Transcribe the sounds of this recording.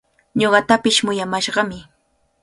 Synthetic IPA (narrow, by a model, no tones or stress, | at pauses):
ɲoɢɑt̪apɪʃmʊjamaʃɢɑmɪ